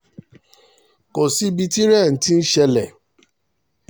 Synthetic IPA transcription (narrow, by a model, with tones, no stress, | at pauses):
ko˨si˨˦bi˧ti˦ɾɛ˦˨n̩˨˦ti˦n̩˦ʃɛ˧lɛ˨